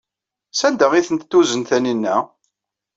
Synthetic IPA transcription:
sænd̪æʁiθənt̪t̪ːuzənθæninːæ

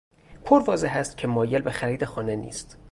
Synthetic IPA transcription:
pʰoɾvɒːzeɦæst̪cʲʰe̞mɒːje̞lbe̞xæɾiːd̪e̞xɒːne̞nḭːst̪

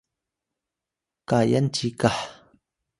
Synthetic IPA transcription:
kaːjɐnt͡ʃiːkaħ

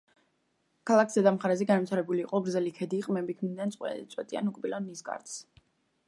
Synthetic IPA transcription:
kʰalˠaksd̪ɛd̪amχaɾɛzɛɡanvt̪ʰaɾɛbuliːqʼɔɡɾdzɛlikʰɛd̪iːqʼmɛbikʰmind̪nant̪sʼwɛ̰ɛt̪sʼwɛt̪ʼia̰nukʼbilɔnːisɡa̰ɾt̪s

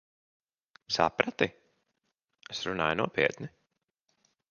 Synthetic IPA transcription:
sa̰pɾat̪i | esɾuna̰ːjnuɔpiɛt̪ni

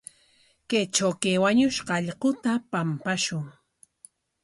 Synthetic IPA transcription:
ket͡ʃawkewaɲʊʃqɑʎqʊt̪apampaʃʊŋ

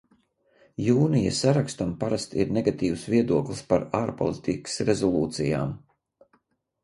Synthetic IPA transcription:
juːnijasaɾakst̪ampaɾast̪ḭɾnɛɡat̪iːwsviɛd̪uɔklˠispaɾaːɾpɔ̰lˠit̪iksɾezɔlˠuːt̪sija̰ːm

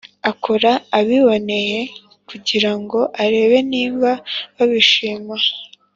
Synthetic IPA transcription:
akʰoɾaːβiβo̞ne̞je̞ | kuɟiɾaŋɡo̞ʔaɾe̞ːβe̞niːmbaβaβiʃiːma

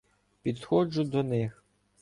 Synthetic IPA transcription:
pʲid̪xɔd͡ʒʊd̪ɔnɪx

